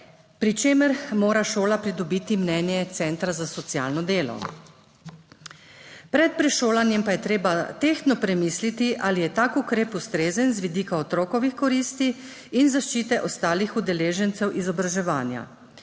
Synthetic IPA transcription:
pɾit͡ʃeːmɛɾmoːɾaʃoːlapɾid̪ɔbiːt̪imnɛnjɛt̪sɛnt̪ɾazasɔt̪sja̰ːlnɔd̪eːlɔ̰ | pɾɛt̪̚pɾɛʃoːlanjɛmpajɛt̪ɾeːbat̪eːxt̪nɔpɾɛmiːslit̪iʔalijɛt̪aːkukɾeːpust̪ɾeːzənzʋid̪iːkaɔt̪ɾoːkɔʋixkɔɾiːst̪i | inzaʃt͡ʃiːt̪ɛʔɔst̪aːlixud̪ɛleːʒɛnt̪sɛwʔizɔbɾaʒɛʋaːnja̰

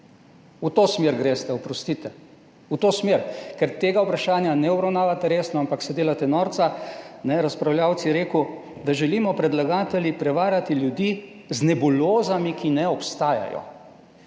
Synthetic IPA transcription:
ut̪oːsmeːɾɡɾest̪ɛɔpɾɔst̪it̪ɛ | ut̪oːsmeɾkɛɾt̪eːɡaupɾaʃaːnjanɛɔbɾawnaːʋat̪ɛɾeːsnɔampaksɛd̪eːlat̪ɛnɔːɾt̪sanɛɾaspɾawljaːwt̪sijɛɾeːku | d̪aʒɛliːmɔpɾɛd̪laɡaːt̪ɛljipɾɛʋaːɾat̪iljud̪i | znɛbuloːzamikinɛɔpst̪aːja̰jɔ̰

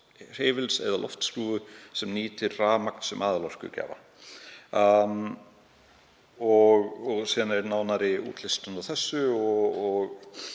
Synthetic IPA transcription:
r̥eːvɪlsɛ̰ðalʔɔ̰ft̪st̪uːðʏsɛmniːt̪ɪɾraːmakn̥sɛmʔaːðlɔrkʏ̰cɛ̰ːva̰ | ɔɣɔɣsiːðanɛɾnaːwnaɾɪṵːt̪lɪst̪anaθɛsːʏɔɔɣ

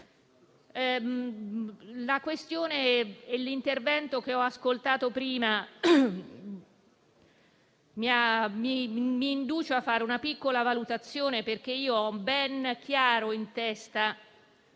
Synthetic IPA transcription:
lakwest̪joːneːlint̪ervɛnt̪ok̟eɔaskolt̪aːt̪opɾiːma | miamimiːnd̪uːt͡ʃoafːaːɾeunapikːolavalut̪at̪sːjoːneperk̟eiːoɔbɛnk̟jaːɾoint̪ɛst̪a

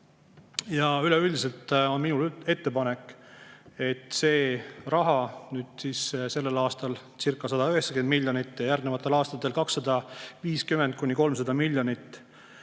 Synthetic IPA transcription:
jɑylɛylʲd̪is̬e̞lt̪o̞nminule̞t̪ːe̞pɑne̞kːˑ | e̞t̪ːˑse̞ːrɑɦɑnyːd̪̥siːsse̞lːe̞lɑːst̪ɑl | sirkˑːɑsɑd̪̥ɑøɦeksɑ̥kend̪milʲjo̞nit̪ːjɑjærd̪evɑt̪ːˑe̞lɑːst̪ɑt̪ːˑe̞lkɑksːɑd̪̥ɑviːskymend̪̥̚kunʲːiko̞lmsɑd̪̥ɑmilʲjo̞nit̪ːˑ

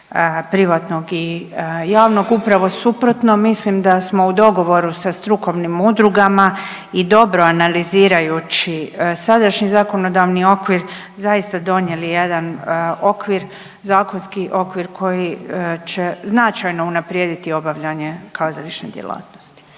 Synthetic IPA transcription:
pɾiʋat̪no̞ɡijaːʋno̞ɡupɾaʋo̞supɾo̞t̪no̞mislimd̪asmo̞ud̪o̞ɡo̞ʋo̞ɾusast̪ɾuko̞ʋnimud̪ɾuɡama | id̪o̞bɾo̞analiziːɾajut͡ʃisad̪aʃɲizako̞no̞d̪aʋnio̞kʋiɾ | zaist̪ad̪o̞ɲje̞lije̞d̪ano̞kʋiɾ | zaːkonskiʔo̞kʋiɾkʰo̞jit͡ɕe̞znat͡ʃajno̞unapɾjeːd̪it̪io̞baʋʎaɲe̞kʰazalit͡ʃnḛd̪ʲjḛla̰ːt̪nost̪i̥

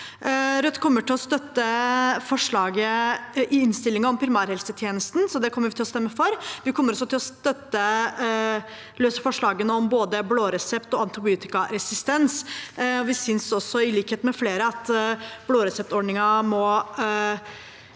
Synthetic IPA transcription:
ɾœt̪ːkʰɔmːəʈɪlɔst̪œt̪ːəfɔʂɭɑːɡəʔɪɪnst̪ɪlːɪŋɑɔmpʰɾɪmæːɾhɛlsət̪ʰjeːnəst̪n̩sɔd̪ɛkʰɔmːəɾʋɪt̪ɪlɔst̪ɛmːəfɔɾʋɪkʰɔmːəɾɔsːɔt̪ʰɪlɔst̪œt̪ːə | løːsəfɔʂɭɑːɡənəɔmboːd̪əbloːɾɛsɛpt̪ɔɑnt̪ɑbɪʉːt̪ɪkɑɾɛsɪst̪ɛnsɔʋɪsʏnsɔsːɔɪliːkheːt̪mɛfleːɾəɑt̪bloːɾɛsɛp̚t̪ɔɖɳɪŋɑmɔ

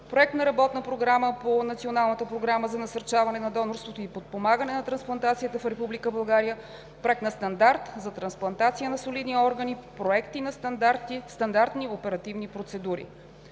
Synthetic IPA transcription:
pɾoɛk̚t̪nɐɾɐbɔt̪nəpɾoɡɾaməponɐt̪sionalˠnət̪əpɾoɡɾaməzɐnɐsɐɾt͡ʃavɐnɛnɐd̪ɔnoɾst̪vot̪oipot̪̚pomaɡənɛnɐt̪ɾɐnsplˠɐnt̪at̪sijət̪əfɾɛpublikəbɐlˠɡaɾijə | pɾoɛkt̪nɐst̪ɐnd̪aɾt̪zɐt̪ɾɐnsplˠɐnt̪at̪sijənɐsolid̪niɔɾɡənipɾoɛkt̪inɐst̪d̪aɾt̪ist̪ɐnd̪aɾt̪niopɛɾɐt̪ivnipɾot̪sɛd̪uɾḭ

